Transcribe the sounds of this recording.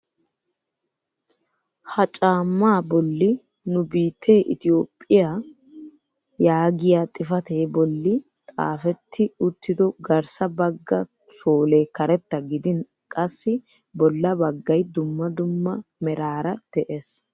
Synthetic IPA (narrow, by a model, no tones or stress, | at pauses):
hɐt͡ʃʼaːmːaːbɔlːɪ | nʊbiːt̪ʰːeːʔɪ̰t̪ɪo̞ːpʼːɪjaː | jaːɡɪjaːt̪ʼɪfɐt̪eːbɔlːɪ | t̪ʼa̰ːfɛt̪ʰːɪʊt̪ːɪd̪ɔɡɐɾsɐbɐɡːɐ | soːle̞ːkɐɾɛt̪ːɐɡɪd̪ɪn | kʼɐsːɪ | bɔlːɐbɐɡːɐjd̪ʊmːɐd̪ʊmːɐmɛɾaːɾɐd̪̥ɛʔes